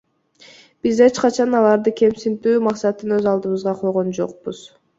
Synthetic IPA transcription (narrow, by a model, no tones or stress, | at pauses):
b̥izet͡ʃqɑt͡ʃʰɑnɑlˠɑɾd̪ɯkʲe̞msint̪yːmɑqsɑt̪ɯnøzɑlˠd̪ɯβɯzʁɑqʰo̞lˠʁo̞nd͡ʒo̞̰q̚buz̥